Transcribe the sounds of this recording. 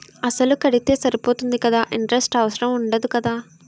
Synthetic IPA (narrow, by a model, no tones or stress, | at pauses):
ɐsɐlukɐɽit̪e̞ːsɐɾipoːt̪und̪ikɐd̪aːʔiɳʈɐɾesʈɐʋɐsɐɾɐmuɳɖɐd̪ukɐd̪aː